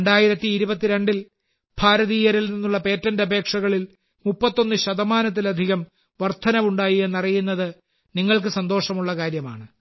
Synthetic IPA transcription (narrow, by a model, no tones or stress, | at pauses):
eɳɖaːjiɾɐt̪ːiːɾubɐt̪ːiɾe̞ɳɖil | bʱaːɾɐðiːjɐɾilninːuɭːɐpe̞ːtːɐndɐbʱe̞ːkʂɐɣɐɭil | mupːɐt̪ːo̞nːɨɕɐðɐmaːnɐt̪̬ːilɐd̪ʱiɣɐm | ʋɐrt̪ʰɐnɐʋuɳɖaːjie̞nːɐrijunːɐðɨ | niŋːɐɭk̬ɨsɐnd̪o̞ːʂɐmuɭːɐkaːɾjɐma̰ːɳɨ